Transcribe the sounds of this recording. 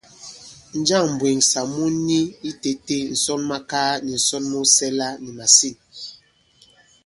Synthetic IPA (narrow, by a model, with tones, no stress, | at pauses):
n̩˦d͡ʒa˦˨ŋm̩˨bwe˨ŋsa˨mu˦ni˦i˦te˦te˦n̩˨sɔ˦nma˦kaː˦ni˨n̩˨sɔ˦nmu˦sɛ˦la˦ni˨ma˨si˦˨n